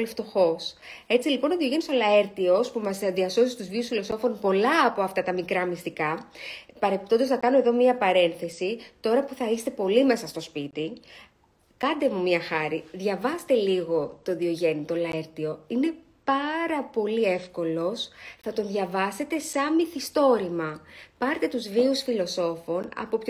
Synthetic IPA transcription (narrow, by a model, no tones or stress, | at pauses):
lift̪o̞xo̞s | e̞t͡silipo̞noðioʝe̞nisolɐe̞ɾt̪io̞spumɐzðiɐso̞sist̪uzviusfilo̞so̞fo̞npo̞lɐːpo̞ɐft̪ɐt̪ɐmikɾɐmist̪ikɐpɐɾepip̚t̪o̞nd̪osnɐkɐnoe̞ðo̞mɲɐpɐɾe̞nθe̞sit̪o̞ɾɐpuθɐist̪e̞po̞lime̞sɐst̪o̞spit̪i | kɐnd̪emumɲɐxɐɾiðʝɐvɐst̪e̞liɣo̞t̪o̞ðio̞ʝe̞nit̪o̞lɐeɾt̪io̞ine̞ | pɐɾɐpo̞lie̞fko̞lo̞sθɐt̪o̞nðʝɐvɐse̞t̪e̞sɐmiθist̪o̞ɾimɐpɐɾt̪e̞t̪uzviusfilo̞so̞fo̞nɐ̰po̞pç